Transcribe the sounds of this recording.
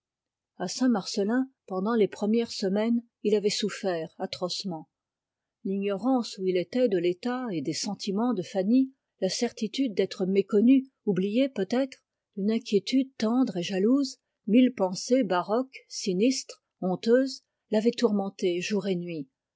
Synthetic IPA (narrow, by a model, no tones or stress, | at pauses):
asɛ̃maʁsəlɛ̃pɑ̃d̪ɑ̃lepχəmjɛʁsəmɛn | ilavɛsufɛːʁat̪χɔsmɑ̃ | liɲɔʁɑ̃suilet̪ɛd̪əlet̪aed̪esɑ̃t̪ʰimɑ̃d̪əfani | lasɛʁt̪it̪yd̪̚ːɛt̪χəmekɔny | ublijepøt̪ɛt̪χ | d̪ynɛ̃kʲjet̪yd̪̚t̪ɑ̃d̪ʁeʒaluz | milpɑ̃sebaʁɔksinist̪χ | ɔ̃t̪øːz | lavɛt̪uʁmɑ̃t̪eʒuʁenɥi